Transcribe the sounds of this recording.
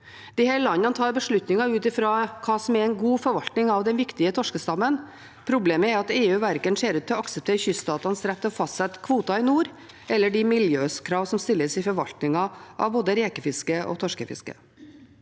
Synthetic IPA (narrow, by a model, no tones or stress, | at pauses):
d̪̥ɪhæːɾlɑnɑnət̪ʰɑːɾbəʂɭʉt̪nɪŋɑʉːt̪ɪfɾɑkʰɑːsɔmɛɛnɡuːfɔɾʋɑlt̪nɪŋɑʋd̪ɛnʋɪkt̪ɪət̪ʰɔʂkəst̪ɑmːən | pʰɾʊbleːməɛɾɑt̪eːʉːʋæɾkənseːɾʉːt̪ʰːɪɔɑksəp̚t̪ʰeːɾəçʏst̪ɑːt̪ɑnsɾæpt̪ːɔfɑst̪sɛt̪kʰʋuːt̪ɑɪnuːɾ | ɛlːəɖɪmɪljøːskʰɾɑːʋsɔmst̪ɪlːəsɪfɔɾʋɑ̰lt̪nɪŋɑʔɑ̰ʋboːd̪əɾeːkəfɪskəʔɔ̰t̪ʰɔʂkəfɪ̰skə̰